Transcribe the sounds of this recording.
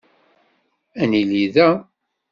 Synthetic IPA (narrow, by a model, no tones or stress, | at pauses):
æniliðæ